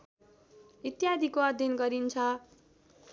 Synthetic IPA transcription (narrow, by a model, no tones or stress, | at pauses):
it̪jad̪ʱikoʌd̪ʱjʌnɡʌɾint͡sʰʌ